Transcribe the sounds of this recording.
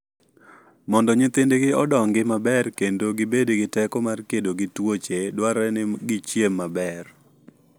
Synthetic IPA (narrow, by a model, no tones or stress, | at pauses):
mɔndɔɲɪt̪ɪndeɡɪɔdɔŋɡɪmabɛrkendoɡɪbediɡɪtɛkɔmarkedoɡɪtwot͡ʃedwaɾɛnɪɡɪt͡ʃjemːabɛr